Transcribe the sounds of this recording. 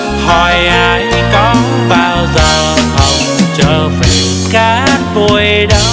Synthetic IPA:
hɔ˨˩jʔa˧˦j | kɔ˧˦ | ɓaː˧wzaː˨˩whə˨˩wŋ͡mŋ͡mt͡ɕəː˧˩vi˨˦ | kaː˧˦mu˧˩əj | ɗə˨˦w

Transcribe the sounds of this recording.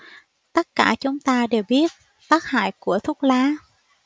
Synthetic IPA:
t̪ə˦˥t̚kaː˧˩t͡ɕʊ˨˦ŋ͡mt̪aː˧ɗe˨˩wɓi˦˥ət̚ | t̪aː˦˥k̚ha̰ː˧˨jku˧˩ət̪ʰʊ˦˥k͡p̚laː˨˦

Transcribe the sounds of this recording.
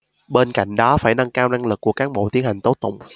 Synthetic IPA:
ɓe˧nka̰˧˨jŋ̟ɗɔ˨˦faː˧˩jna˧ŋkaː˧wna˧ŋlɨ˨˩kːu˧˩əkaː˦˥k̚ɓo̰˧˨t̪i˨˦ənha˨˩jŋ̟t̪o˨˦˥t̪̚ʊ̰˧˨wŋ͡m

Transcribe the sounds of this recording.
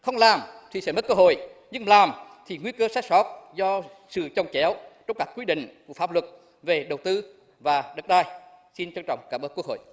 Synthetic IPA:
xə˧wŋ͡mlaː˨˩mt̪ʰi˨˩sɛ̰˧˥mə˦˥t̚kəː˧ɦo̰˧˨jɲɨ˧ŋlaː˨˩mt̪ʰi˨˩ŋwi˧kəː˧saː˦˥k̚sɔ˦˥t̚zɔ˧ | sɨ̰˧˨t͡ɕə˨˩wŋ͡mt͡ɕɛ˨˦wt͡ɕɔ˧wŋ͡mkaː˦˥k̚kwi˧ɗḭ̈˧˨ŋ̟ku˧˩əfaː˦˥p̚lwə˨˩t̚ | ve˨˩ɗə˨˩wt̪ɨ˧ | vaː˨˩ɗə˨˩t̚ɗaː˧˩jsi˧nt͡ɕɔ˧ŋt͡ɕɔ̰˧˨wŋ͡mkaː˧˩mə˦˥ku˦˥k̚ho̰˧˨j

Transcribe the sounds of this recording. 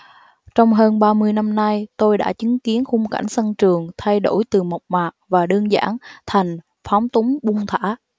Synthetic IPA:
t͡ɕɔ˧wŋ͡mɦəː˧nɓaː˧mɨ˧əjna˧mna˧jt̪o˧jɗa̰ː˧˥t͡ɕi˨˦ŋki˨˦ənxʊ˧ŋ͡mka̰˧˩jŋ̟sə˧nt͡ɕɨ˨˩əŋt̪ʰa˧jɗo̰˧˩jt̪ɨ˨˩ma˨˩wk͡p̚maː˨˩ʔ̚vaː˨˩ɗəː˧nza̰ː˧˥˩nt̪ʰa˨˩jŋ̟ | fa˨˦ŋ͡mt̪ʊ˨˦ŋ͡mɓʊ˧ŋ͡mt̪ʰa̰ː˧˥

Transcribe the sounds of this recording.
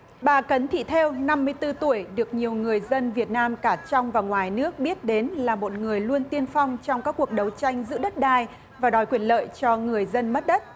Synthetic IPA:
ɓaː˨˩kə˨˦nt̪ʰḭ˧˨t̪ʰe˧wna˧mːɨ˧əjt̪ɨ˧t̪u˧˩əjɗɨ˨˩ək̚ɲi˨˩əwŋɨ˨˩əjzə˧nvi˨˩ət̚naː˧mkaː˧˩t͡ɕɔ˧wŋ͡mvaː˨˩wŋwaː˨˩jnɨ˦˥ək̚ɓi˦˥ət̚ɗe˨˦nlaː˨˩mo˨˩t̚ŋɨ˨˩əjlu˧ənt̪i˧ənfɔ˧wŋ͡mt͡ɕɔ˧wŋ͡mkaː˦˥kːu˨˩ək̚ɗə˨˦wt͡ɕa˧jŋ̟zɨ̰˧˥ɗə˦˥t̚ɗaː˧˩j | vaː˨˩ɗɔ˨˦jkwi˧˩ənlə̰ː˧˨jt͡ɕɔ˧ŋɨ˨˩əjzə˧nmə˦˥t̚ɗə˦˥t̚

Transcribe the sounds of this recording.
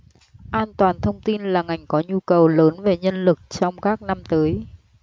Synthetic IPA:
ʔaː˧nt̪waː˨˩nt̪ʰə˧wŋ͡mt̪i˧nlaː˨˩ŋa˨˩jŋ̟kɔ˨˦ɲu˧kə˨˩wləː˨˦nve˨˩ɲə˧nlɨ˨˩k̚t͡ɕɔ˧wŋ͡mkaː˦˥k̚na˧mt̪əː˨˦j

